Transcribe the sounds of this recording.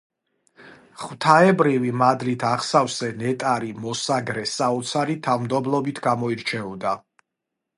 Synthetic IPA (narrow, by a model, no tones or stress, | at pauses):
χwt̪ʰaɛbɾivimad̪lit̪ʰaχsavsɛnɛt̪ʼaɾimɔsaɡɾɛsaɔt̪sʰaɾit̪ʰavmd̪ɔblˠɔbit̪ʰɡamɔiɾt͡ʃʰɛɔd̪a